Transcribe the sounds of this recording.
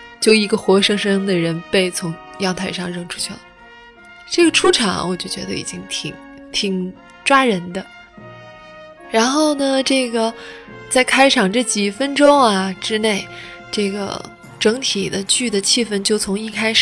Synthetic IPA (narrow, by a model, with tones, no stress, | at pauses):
t͡ɕjo˥˩ʊi˧˥ɡə˧xwɔ˧˥ʂɤ˥ŋʂɤ˥ŋd̪ə˨ɻə˧˥npe˥˩ɪt͡sʰʊ˧˥ŋjɑ˥˧ŋt̪ʰa˥˧ɪʂɑ˥˧ŋɻɤ˥ŋʈ͡ʂʰu̥˥t͡ɕʰy˥˩lə˩ | ʈ͡ʂɤ˥˩ɡə˩ʈ͡ʂʰu˥ʈ͡ʂʰɑ˨˩ŋɐ̰˧wɔ˨˩t͡ɕjo˥˩t͡ɕɥɛ˧˥d̪ə̰˧ḭ˨˩t͡ɕi˥ŋt̪ʰi˨˩ŋ | t̪ʰi˨˩ŋ | ʈ͡ʂwa˥ɻə˧˥nd̪ə˧ | ɻa˧˥nxo˥˩ʊnə˩ʈ͡ʂɤ˥˩ɡə˩t͡sa˥˩ɪkʰa˥ɪʈ͡ʂʰɑ˨˩ŋʈ͡ʂɤ˥˩t͡ɕi˨˩fə˥nʈ͡ʂʊ˥ŋɐ˨ʈ͡ʂɻ̩˥ne˥˩ɪ | ʈ͡ʂɤ˥˩ɡə̰˩ | ʈ͡ʂɤ˧˥ŋt̪ʰi˨˩d̪ə˦t͡ɕy˥˩d̪ə˩t͡ɕʰi˥˩fə˥nt͡ɕjo˥˩ʊt͡sʰʊ˧˥ŋi˥˧kʰa˥ɪʂ